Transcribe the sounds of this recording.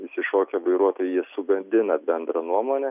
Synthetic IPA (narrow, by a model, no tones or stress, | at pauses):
ɪsʲɪʃoːkʲɛʋɐɪɾuɔt̪oːjɛjiɛsʊɡɐnʲd̪ʲɪnɐbʲɛnd̪ɾɐnuɔmoːnʲɛ